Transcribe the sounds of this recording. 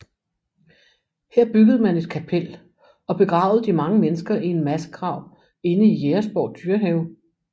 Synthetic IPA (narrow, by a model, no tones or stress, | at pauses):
heɐ̰b̥yɡ̥əð̩ˠmæne̝d̥kʰæpʰel̰ | ɒ̽b̥e̝ɡ̥ʁɑ̈ʊð̩ˠd̥imɑ̈ŋəmenəsɡ̥ɐʔie̝nmæsə̥kʰʁɑ̈ʊ̰ | e̝nəijeɐsb̥ɒʊd̥yɐɦeʊ